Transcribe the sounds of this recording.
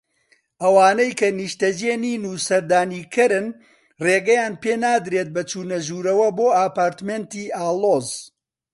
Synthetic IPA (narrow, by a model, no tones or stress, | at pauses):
ʔɐwaːnɐjkɐniʃt̪ɐd͡ʒeːniːnuːsɐɾd̪aːniːkʰɨɾɨn | reːɡɐjaːnpeːnaːd̪ɾeːt̪̚bɐt͡ʃuːnɐʒuːɾɐwɐboːaːpaːɾt̪meːnt̪iːaːlˠoːz